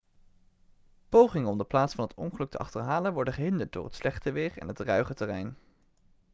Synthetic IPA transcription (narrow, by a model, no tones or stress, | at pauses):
powχɪŋənɔmdəplaːtsfɑnɦətɔ̰nχəlɵk̚tʰəʔɑ̰χtəɹɦaːlənʋɔɹdəχəɦɪndəɹt̚dʊ̰ːɹɦətslɛχtəʋɪːɹɛ̰nɦətrœɥχətɛrɛjn